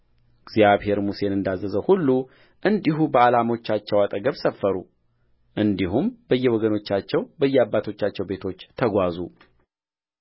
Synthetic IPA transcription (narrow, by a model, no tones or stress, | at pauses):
ɨɡzjaβhe̞ɾmuse̞nɨnd̪azːəzəhulːu | ʔɨnd̪iɦubəalamo̞t͡ʃːat͡ʃːɛwat̪ʼəɡəβsəfːəɾu | ʔɨnd̪iɦumbəjːɛwɔɡəno̞t͡ʃːat͡ʃːɛwbəjːɛabːat̪ʰo̞t͡ʃːat͡ʃːɛwbe̞t̪ʰo̞t͡ʃːt̪ʰəɡʷazu